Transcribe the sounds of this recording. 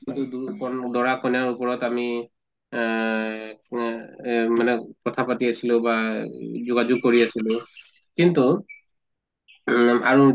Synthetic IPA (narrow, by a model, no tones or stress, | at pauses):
tudkɔndɔɹakɔnjaɹupɔɹɔtami | manɛkɔtʰapatiasilʊ̃bazʊɡazʊɡ̚koɹiasilʊ̃ | kintu | a̰ɹu